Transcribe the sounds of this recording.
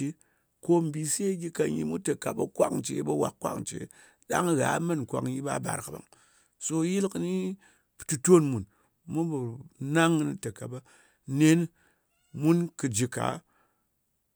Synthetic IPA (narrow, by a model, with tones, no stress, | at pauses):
i˦ | ko˦m̩˨bi˨˧se˦ɡʲi˧ka˧ɲḭ˧mu˦tɐ˨ka˨bɐ˨kʷa̰˦kt͡ʃḛ˨˦bɐ˦wa̰˨kːʷa̰˦kt͡ʃḛ˨˦ | ɗa̰˦ŋ˦ɣa̰˨˦mɨ˦nkʷa̰˨kji˦ba̰˦ba̰˨ɾkɨ˨ba̰˨ŋ | so˧˦ji˦lkɨ˦ni˦ | ptu˧to˦nmu˨n | mu˦bɨ˨na˦ŋ˦ni˦tɐ˨ka˨bɐ˦ | ne˦n˦ | mu˦nkɨ˨d͡ʒi˨ka̰˨˦